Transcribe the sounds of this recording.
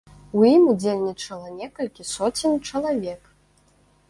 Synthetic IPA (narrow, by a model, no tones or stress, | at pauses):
ujimud͡zʲelʲnʲit͡ʂɐlˠɐnʲɛkɐlʲkʲisɔt͡sʲinʲt͡ʂɐlˠavʲɛk